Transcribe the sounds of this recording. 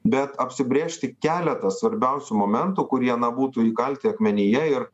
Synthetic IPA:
bʲɛt̪ɐpʲsʲɪbʲɾʲeːʃʲt̪ʲɪkʲæːlʲɛt̪ɐsʋɐɾʲbʲɛʊsʲʊmoːmʲɛnt̪ukʊɾʲiɐnɐbuːt̪uiːkɐlʲt̪ʲɪɐkmʲɛnʲɪjɛɪɾ

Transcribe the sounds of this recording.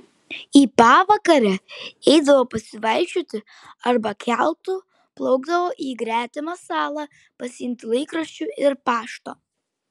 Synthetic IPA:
iːpɑːʋɐkɐɾʲɛɛɪd̪ɐʋoːpɐsʲɪʋɐɪʃʲoːt̪ʲɪ | ɐɾbɐkʲʰælˠt̪uː | plˠɔʊɡd̪ɐʋoːʔiːɡɾʲæːt̪ʲɪmɐsɑːlˠɐ | pɐsʲɪɪmʲt̪ʲɪlˠɐɪkɾɐʃʲt͡ʃʲuɪɾpɑːʃt̪oː

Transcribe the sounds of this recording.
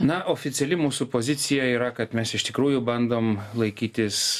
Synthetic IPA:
nɐʔoːfʲɪt̪sʲɛlʲɪmuːsupoːzʲɪt̪sʲɪjɛiːɾɐkɐt̪mʲɛsɪʃt̪ʲɪkɾuːjʊbɐnd̪oːmlˠɐɪkʲiːt̪ʲɪs

